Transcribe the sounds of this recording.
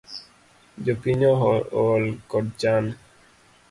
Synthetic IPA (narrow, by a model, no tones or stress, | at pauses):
d͡ʒopiɲɔɦɔɔlkɔd̚t͡ʃan